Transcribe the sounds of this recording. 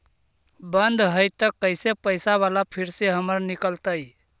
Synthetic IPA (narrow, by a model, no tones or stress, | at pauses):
bənd̪ʱɦəjt̪əkːəsepəɪsaβalapʰiɾseɦəməɾnikəlt̪əj